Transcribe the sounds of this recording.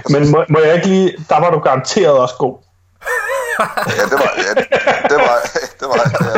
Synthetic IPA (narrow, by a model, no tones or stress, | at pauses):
menmɔmɔ̽jɑ̈e̝ɡ̥əliːd̥ɑ̈ʋɑ̈ɾuɡ̥ɑ̈ɑ̈nt͡sʰe̝̰ːɐð̞̩ˠɒ̽sɡ̥o̝̰ː | jæd̥e | d̥ed̥eʋɑ